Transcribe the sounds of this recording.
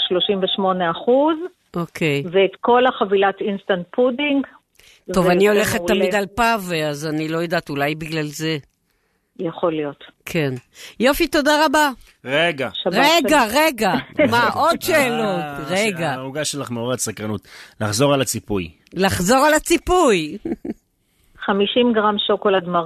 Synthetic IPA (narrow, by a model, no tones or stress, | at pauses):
ʃlo̞ʃimveʃmo̞neaχuz | ʔo̞kʰe̞jveːt̪ko̞laχavilatinst̪ant̚pʰudiŋɡ | to̞vanio̞le̞χetːamid̪alpaveazanilo̞jadatulajbiɡlalze̞ | jaχolijo̞tkʰe̞njo̞fito̞daʁaba | ʁeɡaʁeɡaʁe̞ɡamaʔod̪ʃeːlotʁeɡauɡaʃelaχmeoʁasakʁanut̪laχzo̞ʁalat͡sipuj | laχzo̞ʁalat͡sipuj | χamiʃimɡʁamʃokolad̪ma